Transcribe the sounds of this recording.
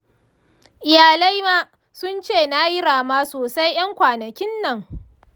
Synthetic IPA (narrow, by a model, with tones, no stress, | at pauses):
ʔɪ˨jaː˨la˦jmaː˦ | sʊ˦nt͡ʃeː˦˨na˦jɪ˦ɽaː˨maː˦soː˨sa˦jj̰ɐ˦ŋkʷaː˨nɐ˨kʲɪ˦nːɐ˨ŋ